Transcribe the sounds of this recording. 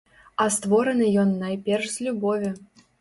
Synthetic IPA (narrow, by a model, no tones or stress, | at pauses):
ɑst̪voɾɤ̆nɨ̆jonːɑjpʲerʂsʲlʲubovʲɘ̆